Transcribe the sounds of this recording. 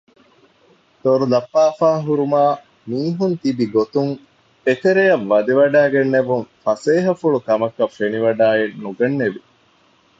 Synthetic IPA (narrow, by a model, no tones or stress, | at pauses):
t̪oɾulɐpːaːfaːɦuɾumaː | miːɦunt̪ibiɡot̪uŋ | ekeɾejɐʋːɐd̪iʋɐɖæːɡenːeʋuŋfɐseːɦɐfuɭukɐmɐkːɐfeniʋɐɖaːenːuɡɐnːeʋi